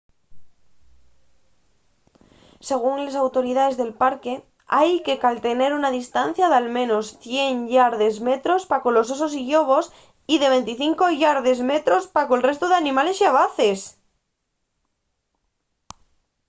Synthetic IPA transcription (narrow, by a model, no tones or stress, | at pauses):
se̞ɣ̞uŋles̬awt̪o̞ɾiðaðe̞zðe̞lpaɾke̞ | ajke̞kalt̪e̞neɾunaðist̪anθjaðealmẽnosθje̞ŋʎaɾðezmet̪ɾo̞spakolo̞s̬ososiʎoβ̞o̞s | iðe̞β̞ẽ̞nt̪iθiŋko̞ʝaɾðezmet̪ɾo̞spakolre̞st̪oðeanĩmale̞sjaβ̞aθes